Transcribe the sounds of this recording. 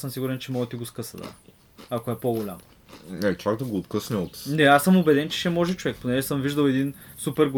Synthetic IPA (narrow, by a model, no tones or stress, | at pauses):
səmsiɡʊɾɛnt͡ʃɛmɔɡət̪iɡoskɤsɐd̪a̰ | akoɛpoɡolʲa̰m | nɛkaɡ̚d̪ɐɡoːt̪kɤsnʲəot̪nɛasɤmobɛd̪ɛnt͡ʃɛ̥ʃɛmɔʒɛt͡ʃovɛk̚ponɛʒɛsəmviʒd̪əwɛd̪in | supɛɾɡo